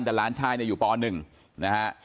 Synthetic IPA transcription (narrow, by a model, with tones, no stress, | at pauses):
nt̪ɛː˨˩laː˦˥nt͡ɕʰaː˧jni˥˩juː˨˩pɔː˧nɯ˨˩ŋ | na˦˥kʰa˦˥ʔ